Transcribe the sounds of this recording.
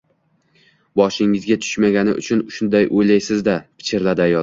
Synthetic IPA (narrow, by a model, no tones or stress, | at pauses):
bɒʃɪŋɪzɡʲat̪ʰʊ̥ʃmaɡʲanɪ̰ʔʊ̰t͡ʃʰʊnʊʃʊnd̪ajʔojlajsɪzd̪apʰɪ̥t͡ʃʰɪɾlad̪ajɒ